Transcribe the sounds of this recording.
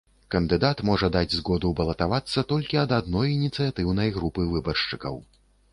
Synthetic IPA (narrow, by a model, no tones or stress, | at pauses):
kɐnd̪ɨd̪at̪mɔʐɐd̪ad͡zʲzɣɔd̪ubɐlˠɐt̪avat̪sːɐt̪ɔlʲkʲiɐd̪ad̪nɔjinʲit̪sɨjat̪ɨwnɐjɣɾupɨvɨbɐrʂt͡ʂɨkɐ̰w